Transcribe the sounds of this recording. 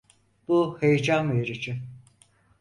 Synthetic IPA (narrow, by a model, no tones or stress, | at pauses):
b̥uhejd͡ʒameɾit͡ʃʰin